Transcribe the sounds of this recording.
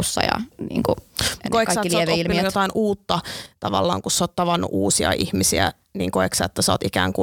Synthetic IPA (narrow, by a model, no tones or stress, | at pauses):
sːɑ̰jɑ̰niːŋkukːoikɑssɑːtːilsoːeʋ̪oilːijot̪ɑinuːt̪ːɑt̪ɑʋɑ̰lːɑ̰ːŋkussoːt̪t̪ɑʋɑnːṵʔuːsiɑ̰ʔḭhmisiæ | niːŋkoiksɑ̰ːet̪ːæsɑ̰ːt̪ikæːŋku